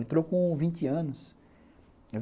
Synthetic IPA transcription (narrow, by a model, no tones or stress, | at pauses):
ẽnt̪ɾokõvĩnt͡ʃɪɐ̃nʊs | e